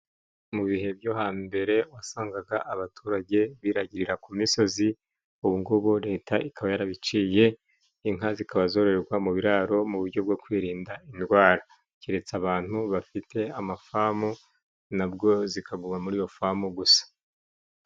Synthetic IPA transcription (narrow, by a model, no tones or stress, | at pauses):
muβihe̞bjo̞ɦaːmbe̞ɾe̞wasaːŋɡaɡaʔaβatʰuːɾaɟe̞βiːɾaɟiɾiɾakumiso̞zi | uβuŋɡoβoɾe̞ːtʰaʔikʰaβajaɾaβit͡ʃije̞ | iŋazikaβazo̞ɾeeɾɡwamuβiɾaːɾo̞muβuɾɟo̞b̚ɡo̞kwiːɾiːndaindwaːɾa | ciɾe̞t͡saβaːn̥huβafitʰe̞amafamu | nabɡo̞zikʰaɡumamuɾijo̞famuɡusḁ